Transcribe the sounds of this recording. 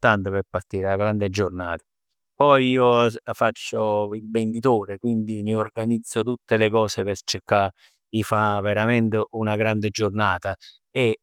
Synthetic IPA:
t̪ant̪opeɾpːart̪iːɾelaɡɾand̪ed͡ʒornaːt̪ḁ | pɔjiːofat͡ʃːoilbend̪it̪oːɾekwind̪iniorɡanid̪zːot̪ut̪ːelekɔːsepet͡ʃːekːa | ifaveɾament̪eunaɡɾand̪ed͡ʒornaːt̪a | e

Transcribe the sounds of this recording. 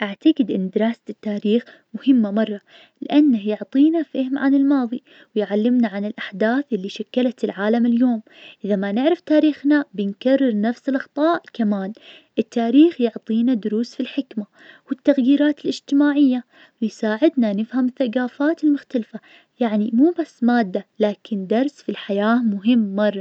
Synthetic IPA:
ʔaʕt̪aɡɪd̪ʔɪnːd̪ɪɾˤɑːsḁt̪ːaːɾiːx | mʊhɪmːamɑrˤːɑ | lɪʔanːahjʊʕt̪ˤiːnafahmʕanɪlmɑːðˤi | wɪjʕalːɪmnaʕanɪlʔaħd̪aːθʔɪlːiʃakːalat̪ɪlʕaːlamɪljoːm | ʔɪðamanɪʕɾɪft̪aːɾiːxnabɪnkarːɪɾˤnafsɪlʔɑxt̪ˤɑːʔkamaːn | ʔɪt̪ːaːɾiːxjʊʕt̪ˤiːnad̪ʊɾuːsfilħɪkma | wɪt̪ːaɣjiːɾaːt̪ɪlʔɪd͡ʒt̪ɪmaːʕɪjːa | wɪjsaːʕɪd̪nanɪfhamɪθːaɡaːfaːt̪ɪlmʊxt̪alfa | jaʕnimuːbasːmaːd̪ːalaːkʰɪnd̪ɑɾˤsfilħajaːmʊɦɪmːɑrˤːɑ

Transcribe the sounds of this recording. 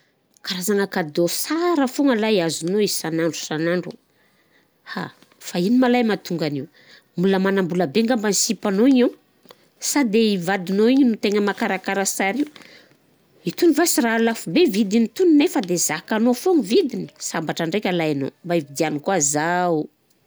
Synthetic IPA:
kaɾazaŋakad̪osaɾəfuŋəlajiazunoizsanaɳɖ͡ʐu̥sanaɳɖ͡ʐṵ | ha̰ | fainimalajmat̪uŋɡaniw | muləmanambuləbeŋɡambansipanoiɲu | sad̪eivad̪inoiɲinut̪eŋəmakaɾakaɾasaɾiu | it̪univasiralafubevid̪init̪uninefəd̪ez̥akanofoŋivid̪ini̥sambaʈ͡ʂaɳɖ͡ʐekʲalajano̰mbaivid̪ianikuazau

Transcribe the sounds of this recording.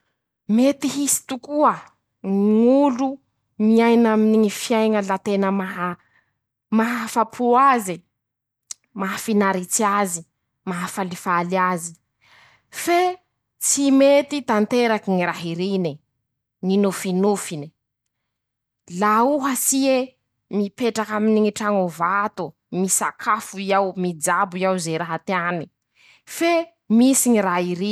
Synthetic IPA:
met̪iɦisi̥t̪ukuə | ŋiŋulu | miajnaminiŋifjajŋəlat̪enəmaɦa | maɦafapʰuazi | maɦafinaɾit͡siazi | maɦafalifaliazi | fe | t͡simet̪it̪ant̪eɾakiŋiɾaɦiɾini | ŋinufinufini̥ | lauɦəsie | mipeʈ͡ʂakaminiŋiʈ͡ʂaŋovat̪u | misakʰafuiawmid͡zabuiawzeɾaɦat̪eani | fe | misiɲiɾaɦiɾi

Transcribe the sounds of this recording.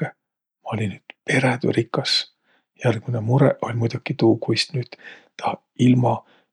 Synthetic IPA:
e | mɑo̞lʲinːyːd̪̥pe̞ɾed̪ṵɾikːˑɑs | jælɡ̥inemuɾɛ̰ʔo̞lʲmujd̪̥ukit̪uːkujst̪nyːd̪̥t̪ɑ | ilmɑ

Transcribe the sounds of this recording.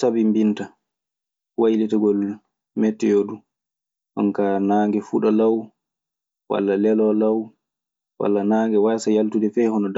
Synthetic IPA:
sabimbinta | wajlitaɡɔl | mɛtːɛjoːdu | ʔɔ̰ŋkanaːŋɡɛfuɗalaw | wa̰lːalɛlɔlaw | wa̰lːanaːŋɡɛwasajaltudɛfɛhɔnɔd

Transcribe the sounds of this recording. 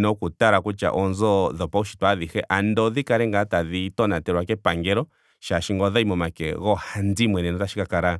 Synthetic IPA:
nɔkutaɾakut͡ʃa̰ʔɔnzɔðɔpauʃi̥taðihɛʔandɔðikaɾɛŋɡataðitɔnatɛɾwakɛpaŋɡɛɾɔ | ʃaʃiŋɡɔðaimɔmakɛɣɔhandimwɛnɛnɔtaʃi̥kakaɾa

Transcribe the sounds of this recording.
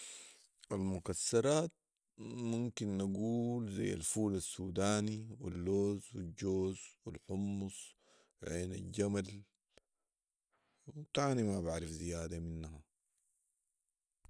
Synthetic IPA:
ʔalmukasːɑɾˤɑːt̪̚ | mumkinːaɡuːlza̰jːa̰lfuːlasːuːd̪aːniwḭlːoːzwid͡ʒoːzwilħʊmːus | ʕeːna̰ld͡ʒamal | wt̪aːnimabaʕɾifzijaːd̪aminːha

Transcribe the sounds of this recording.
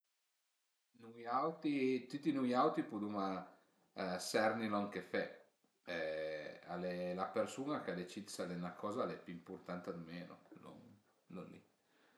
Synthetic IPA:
nujawt̪it̪ut̪ːinujawt̪ipud̪uma | sɛrnilɔŋkefɛ | ɛa̰lelapersuːnakead̪et͡ʃid̪salɛnakɔːzalɛpimpurt̪ant̪ad̪meːno̰lo̰ŋ | lonlḭ

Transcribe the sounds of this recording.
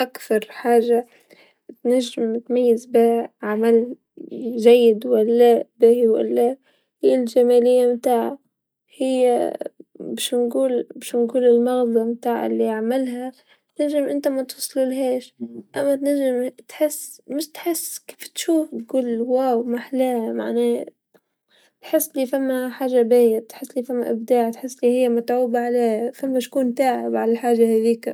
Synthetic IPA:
ʔakθɑɾˤħaːʒa | t̪naʒːɪmɪt̪majːɪzbɪhʕamal | ʒajːɪd̪walːabɪhwa̰lːa | hɪjːald͡ʒamaːlɪjːamt̪aːʕa̰ | hɪjːa | bɪʃnɡuːlbaʃnɡuːlɪlmɑɣd̪ˤɑmt̪aːʕa̰ɪlːiaʕmalɦa | t̪naʒːɪmʔɪnt̪amat̪ʊsˤlulɦeːʃʔamːat̪naʒːɪmt̪ħɪsːmɪʃt̪ħɪsːke̥ːft̪ʃuːfd̪̚ɡuːlwawmaħlaːma̰ʕnaː | t̪ħɪsːliːfamːaħaːʒabeːjatt̪ħɪsːliːfamːa̰ʔɪbd̪aːʕt̪ħɪsːliːhɪjːamat̪ʕuːbaʕaleːhafamːaʃkuːnt̪aːʕɪbʕalaħaːʒahaːðiːk

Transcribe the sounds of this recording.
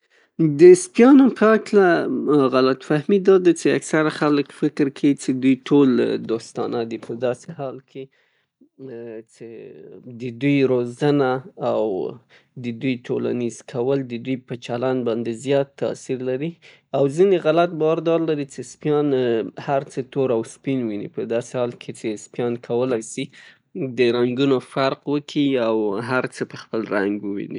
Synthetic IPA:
d̪əspjɑnopʰəaklaɣalat̪fahmid̪ɑd̪at͡ʃea̰ksaɾaxaləkfɪkɾkʰawit͡ʃed̪ujʈʰold̪ost̪ɑ̰nad̪ipəd̪ɑsehɑlkʰe | t͡ʃed̪əd̪ujɾozanaːw | d̪əd̪ujʈʰola̰nizkʰawəld̪əd̪ujpət͡ʃalanbɑnd̪ezjɑt̪ːa̰siɾlaɾi | awzineɣalat̪̚bɑwaɾd̪ɑɾlaɾit͡ʃespjɑnhaɾt͡sət̪oɾawspinwinḭpəd̪ɑsehɑlkʰet͡ʃespjɑnkʰawəlajsi | d̪əɾaŋɡunofaɾqwəkʰiawɦaɾt͡səpəxpəlɾaŋɡwəwḭni

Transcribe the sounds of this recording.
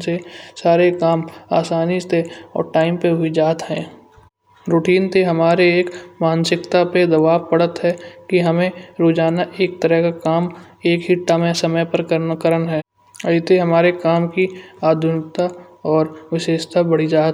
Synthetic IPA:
sesaːɾekaːma̰ːsaːnist̪eɔ̰ːɾʈaːɪmpeɦʊid͡ʒaːt̪ɦɛ̰̃ː | ɾoːʈiːnt̪eɦɐmaːɾeeːkmaːnsɪkt̪aped̪ɐʋaːʋpɐɽ̤ət̪ɦɛkiɦɐmẽɾoːd͡ʒaːnaʔeːk̚t̪əɾəɦkakaːm | eːkɦɪʈːamẽsɐməjpəɾkəɾnakəɾənɦɛː | ɐit̪eɦɐmaːɾekaːmkiaːd̪ʱʊnɪk̚t̪a | ɔːɾʋɪʃeːʃt̪abɐɽid͡ʒaːt̪

